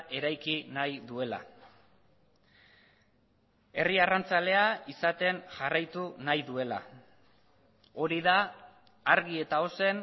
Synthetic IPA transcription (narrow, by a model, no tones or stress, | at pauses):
e̞ɾajkinajðue̞la̰ | e̞riarant͡sale̞aisat̪e̞nʝarajt̪unajðue̞la̰ | o̞ɾiðaː | ɾɣie̞t̪ao̞se̞n